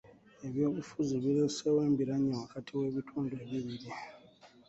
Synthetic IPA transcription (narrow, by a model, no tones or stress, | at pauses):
eβjoufuziβilɛsɛweːmbʱiɾaɲɔwakʰatʰiweβitʰɔndʱɔeβiɾiːli